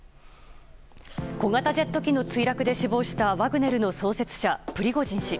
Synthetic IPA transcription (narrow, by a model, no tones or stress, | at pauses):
ko̞ŋat̪ad͡ʑe̞t̪ːo̞kʲino̞t͡sɨiɾakɯ̟d̪e̞ɕibo̞ːɕi̥t̪aβaɡɯ̟ne̞ɾɯ̟no̞so̞ːse̞t͡sɨ̥ɕapɯ̟ɾʲiɡo̞d͡ʑĩɰ̃ɕi